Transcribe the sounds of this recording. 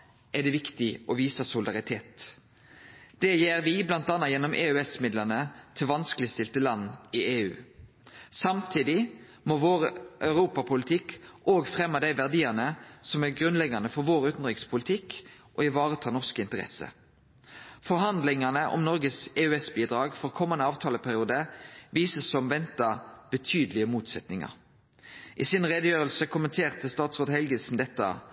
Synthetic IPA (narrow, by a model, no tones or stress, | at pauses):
ʔɛd̪ɛʋɪkt̪ɪʔɔʋiːsəsʊld̪ɑʁɪt̪ʰḛːt̪ | d̪̥ɛjeːʁʋɪblɑnt̪ɑːnːɑjɛnɔmʔḛːʉɛsmɪd̪lənət̪ʰɪlʋɑnskəlɪst̪ɪlt̪əlɑnːɪeːʉ̰ː | sɑmt̪ʰiːd̪ɪ | moːʋoːʁəʔœʉʁuːpɑpʰʊlɪt̪ʰɪkʔoːɡfʁɛmːəd̪æɪʋæʁd̪iːənəsɔmæʁɡʁʉnlɛɡɑnəfɔʋoːʁʉːt̪n̩ʁɪkspʰʊlɪt̪ʰɪk | ʔɔɪʋɑːʁət̪ʰɑːnɔʁskɪnt̪əʁɛ̰sə̰ | fɔʁɦɑnd̪lɪŋɑnəʔɔ̰mnɔʁɡəsɛːʉɛsbiːd̪ʁɑːɡfɔʁkʰɔmːənəɑːʋt̪ʰɑːləpʰæʁɪuːd̪əʋiːsəsːɔmʋɛnt̪ɑb̥ət̪ʰyːd̪əlɪəmuːt̪sɛt̪nɪŋɑ̰ʁ | ʔɪsɪnʁɛd̪əjøːʁəlsəkʰʊmənt̪ʰeːʁt̪əst̪ɑːt̪sʁoːd̪əhɛlɡənsn̩d̪ɛt̪ːə̰